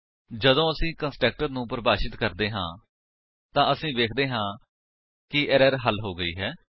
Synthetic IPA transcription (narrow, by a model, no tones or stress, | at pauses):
d͡ʒəd̪õːəsĩːkənsʈɛːk̚ʈəɾnũːpəɾəbaːʃɪt̪kəɾd̪eːɦã̰ː | t̪ãːəsĩːʋeːkʰd̪eːɦãː | kɪʔɛɾəɾɦəlɦoːɡəḭːɦɛː